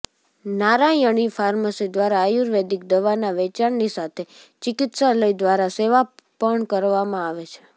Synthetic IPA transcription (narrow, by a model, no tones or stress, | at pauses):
naɾajəɽ̃ifʰaɾməsid̪ʋaɾaːjuɾʋed̪ik̚d̪əʋanaʋɛt͡ʃaɳnisat̪ʰet͡ʃɪkɪt̪saləid̪ʋaɾaseʋapəɳkəɾʋamãaʋet͡ʃʰe̥